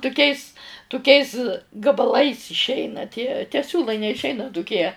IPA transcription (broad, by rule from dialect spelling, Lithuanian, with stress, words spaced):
tʊˈkʲɛɪs tʊˈkʲɛɪs ɡɐbɐˈlˠɐɪs ɪʃʲˈɛɪnɐ tʲiɛ tʲɛ ˈsʲuːlˠɐɪ nʲɛɪʃʲˈɛɪnɐ tʊˈkʲiɛ